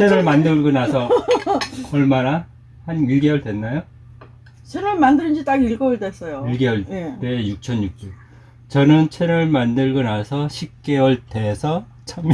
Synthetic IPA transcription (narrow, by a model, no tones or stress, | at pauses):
t͡ɕʰeɾʌɭmandɯɭɡɯnassʰʌ | ʌɭmana | hanɥiɡe̞wʌɭdwe̞nːajo | t͡ɕʰeɾʌɭmandɯɾɯnd͡ʑit͈aɡiɭɡʌwʌɭdwes͈ʌjoiɭɡe̞wʌɭt͈ejuk̚t͡ɕʰʌnjuk̚t͡ɕ͈u | t͡ɕʌnɯnt͡ɕʰeɾʌɭmandɯɭɡɯnasʰʌɕʰip̚k͈e̞wʌɭt͈e̞sʰʌ | t͡ɕʰaŋ